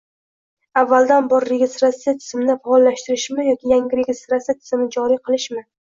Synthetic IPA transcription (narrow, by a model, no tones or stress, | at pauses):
avːalˠd̪anbɒɾːe̞ɡʲest̪ɾat̪sːijat̪ʰɪ̥smnɪfaɒlːaʃt̪ɪɾɪʃmɪjɒkʲɪjaŋɡʲɪɾeɡʲest̪ɾat̪sijat̪ʰɪ̥zɪmnɪd͡ʒɒɾiqʰɨlˠɪʃmɪ